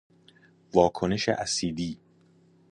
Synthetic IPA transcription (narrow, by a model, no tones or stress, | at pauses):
vɒːkʰone̞ʃḛʔæsiːd̪iː